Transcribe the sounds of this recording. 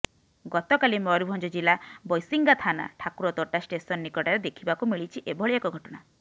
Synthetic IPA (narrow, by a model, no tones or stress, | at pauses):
ɡɔt̪ɔkalimɔɾubʱɔnd͡ʒɔd͡ʒilabɔjsiŋɡat̪ʰana̰ʈʰakuɾɔt̪ɔʈasʈesɔnːikɔʈaɾed̪ekʰibakumiɭit͡ʃʰiʔebʱɔɭiakɔɡʱɔʈɔɽ̃a